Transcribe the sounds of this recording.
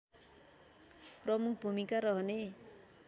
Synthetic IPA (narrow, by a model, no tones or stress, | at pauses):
prʌmuk̚ʰbʱumikaɾʌɦʌne